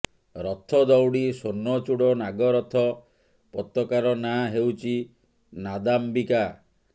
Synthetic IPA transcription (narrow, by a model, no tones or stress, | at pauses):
ɾɔt̪ʰɔd̪ɔwɽisonːɔt͡ʃuɽɔnaɡɔɾɔt̪ʰɔ | pɔt̪ɾɔkaɾɔnaɦewt͡ʃʰi | nad̪ambika